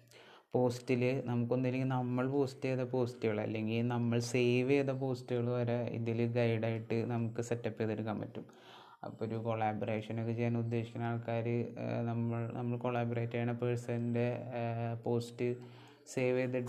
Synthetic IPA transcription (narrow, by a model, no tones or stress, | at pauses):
po̞ːstilɨnɐmukːo̞nːilikʲːilnɐmːɐɭpo̞ːsteːðɐpo̞ːstɨɣɐɭɐ̰lːe̞ŋɡilnɐmːɐɭsejʋeːðɐp̬o̞ːstɨɣɐɭuʋɐɾɐḭðilɡɐjɽaːjiʈːɨnɐmukːɨsetːɐpːiɐðoɾukːɐmːɐ̰tːum | ɐ̰pːooɾukoɭaːbɐreːʂɐnokːet͡ɕejːaːnud̪ːe̞ːɕi̥kʲːɐnaːɭkaːɾɨnɐmːɐɭnɐ̰mːɐɭkoɭaːboreːtːɐjaːɳɐpeɻsɐðinde̞po̞ːstɨ | seːʋeːðɐ